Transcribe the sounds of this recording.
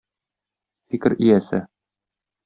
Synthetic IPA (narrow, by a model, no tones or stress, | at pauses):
fikɘɾijæsɘ̰